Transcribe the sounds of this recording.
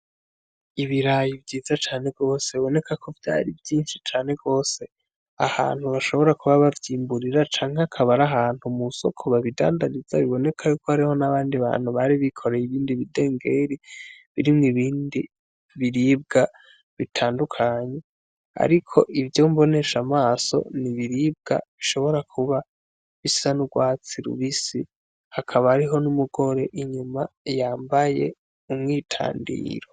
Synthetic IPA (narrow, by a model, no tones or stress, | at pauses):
iβiɾajivjɟiːzat͡ʃaːne̞ɡo̞ːseβiβo̞ne̞kakʰo̞vja̰ːɾivjiːnʃi̥t͡ʃaːne̞ɡo̞ːse̞ | aha̰ːn̥huβaʃo̞βo̞ɾakuβaβavjiːmbuɾiɾat͡ʃaːŋ̥eakʰaβaɾaɦaːn̥humuso̞kʰo̞βaβida̰ːndaɾiz̥a̰βiβo̞ne̞kʰajuːkohaɾiho̞naβaːndiβa̰ːn̥huβaɾiβikʰo̞ɾejiβiːndiβide̞ːŋɡe̞ɾiβiɾimŋiβiːndi | βiɾib̚ɡa | βitʰaːndukʰaɲe̞ | a̰ɾikʰo̞̰ʔivjo̞mbo̞ne̞ʃamaːso̞̰niβiɾib̚ɡa̰βiʃo̞βo̞ɾakʰuβa | βisanuɡwaːt͡siɾṵβisi | hakʰaβahːɾiɦo̞numuɡo̞ɾe̞ʔiɲumajaːmbaje̞̰ | umŋiːtʰa̰ːndḭːɾo